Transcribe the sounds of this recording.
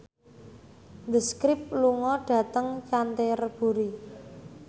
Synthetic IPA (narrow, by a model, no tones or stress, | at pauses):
nd̪əskɾɪp̚luŋɔɖ̥ä̤t̪əŋt͡ʃant̪erb̥ṳɾi